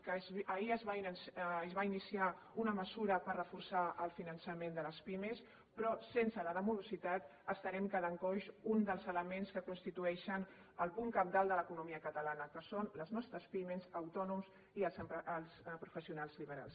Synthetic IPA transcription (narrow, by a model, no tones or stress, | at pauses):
kəzəiəzβainːzβainisia | unəməzuɾəpərrəfuɾsaʔəlˠfinənsəmend̪ələspimes | pɾɔsensələðəmulusit̪at̪əst̪əɾɛmkəðəŋkɔʃund̪əlˠzələmenskəkunst̪it̪uɛʃən | əlˠpuŋkəp̚d̪alˠd̪ələkunumiəkət̪əlanəkəsonləznɔst̪ɾəspimezəwt̪ɔnums | iəlˠsəmpəlˠspɾufəsiunalˠzliβ̞əɾa̰lˠs